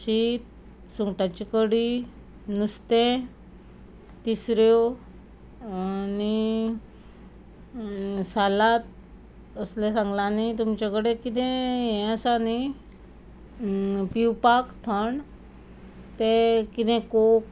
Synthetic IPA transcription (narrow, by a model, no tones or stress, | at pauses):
ɕit̪̚ | suŋɡʈat͡ɕikəɽi | nust̪ɛ̃ | t̪isɾjo | ani | salat̪̚ | əslɛ̃sãŋɡlanit̪umt͡ɕakəɽekit̪ɛ̃ɦɛ̃əsani | piwpakt̪ʰəɳ | t̪ẽkit̪ɛ̃kok